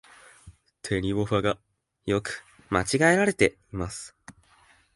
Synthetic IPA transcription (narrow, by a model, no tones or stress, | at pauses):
t̪ʰe̞ɾʲiβo̞ɸaɡa | jo̞kɯ̥ | mat͡ɕiɡae̞ɾaɾe̞t̪e̞ | imasɨ̥